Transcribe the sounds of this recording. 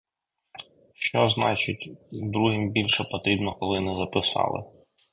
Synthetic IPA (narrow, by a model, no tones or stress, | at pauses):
ʃt͡ʃɔznɑt͡ʃɪtʲd̪ɾuɦɪmbʲilʲʃɛpɔt̪ɾʲibnɔkɔlˠɪnɛzɐpɪsɑ̰lˠɪ̰